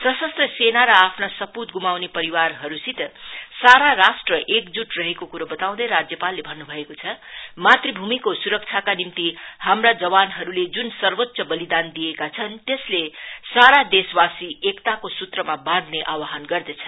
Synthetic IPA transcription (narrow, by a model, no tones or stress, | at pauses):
sʌsʌst̪rʌsenaɾʌapʰnasʌput̪̚ɡumawnepʌɾiwarɦʌɾusit̪saɾaɾasʈrʌʔekd͡zuʈrʌɦekokuɾʌbʌt̪aw̃d̪ʌjɾad͡zjʌpalːebʱʌnːubʱʌekot͡sʰʌmat̪ribʱumikosuɾʌk̚t͡sʰakanimt̪ihamrad͡zʌwanɦʌɾuled͡zunsʌrbʌt̪ːsʌbʌlid̪and̪ijekat͡sʰʌnt̪eslesaɾad̪eswasiekt̪akosut̪rʌmabãd̪neʔawaɦʌnɡʌrd̪ʌt͡sʰʌ̥n